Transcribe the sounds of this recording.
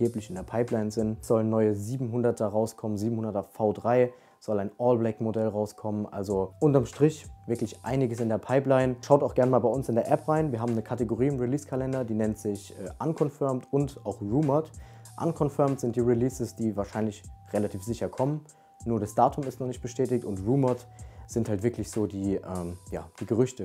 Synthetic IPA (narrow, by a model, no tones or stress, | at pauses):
eːplɪçɪndeːɐpʰaɪplaɪnzɪntz̥ɔlənːɔʏəziːbm̩ɦʊndɐtʰɐʁaʊskʰɔmənziːbm̩hʊndɐtɐfaʊdʁaɪ | z̥ɔlaɪnʔɔːlblɛkmodɛlʁaʊskʰɔmənʔa̰lzoʔʊntɐmʃtʁ̥ɪçv̥ɪɐklɪçʔa̰ɪnɪɡəsɪndeːɐpʰaɪplaɪnʃaʊtaʊxɡ̥ɛɐnmaːlbaɪʊnsɪndeːɐʔɛpʁaɪnviːɐɦaːbm̩nəkʰateɡoʁiːɪmʁiliːskʰalɛndɐdiːnɛntz̥ɪçʔɛːʔankʰɔnfɪɐmtʊntʔaʊxʁuːmɐt | ʔa̰nkʰɔnfɪɐmtz̥ɪnt̚d̥iːʁiliːsəsd̥iːvaːɐʃaɪnlɪçʁelatʰiːfz̥ɪçɐkʰɔmən | nuːɐɾasd̥aːtʰʊmɪstnɔχnɪçt̚b̥əʃtʰɛːtɪktʊntʁuːmɐtz̥ɪnthaltv̥ɪɐklɪçz̥oːdiːʔɛːmja̰ːd̥iːɡəʁ̞ʏçtə